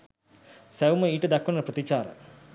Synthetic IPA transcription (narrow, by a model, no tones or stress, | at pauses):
sæuməiːʈəd̪akːunɐprət̪it͡ʃaːɾə̰